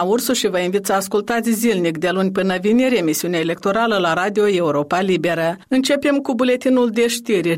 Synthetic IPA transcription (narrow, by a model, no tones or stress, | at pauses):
aursuʃivəinvit̪səaskult̪at̪sʲzilnikd̪e̞lunʲpɨnəviniɾʲemisiuneaele̞k̚t̪o̞ɾaləlaɾad̪io̞euɾo̞palibe̞ɾəɨnt͡ʃe̞pe̞mkubule̞t̪inuld̪e̞ʃt̪irʲ